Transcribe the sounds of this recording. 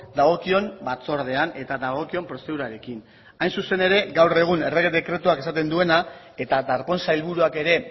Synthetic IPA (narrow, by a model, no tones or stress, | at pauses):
d̪aɣ̞o̞kio̞mbat͡so̞ɾðe̞ane̞t̪aðaɣ̞o̞kio̞mpɾo̞se̞ðuɾaɾe̞kin | ajnsuse̞ne̞ɾe̞ɡawre̞ɣ̞une̞reɣeðe̞kɾe̞t̪uakesat̪e̞nd̪ue̞na | e̞t̪ad̪aɾpo̞nsailβuɾuake̞ɾe̞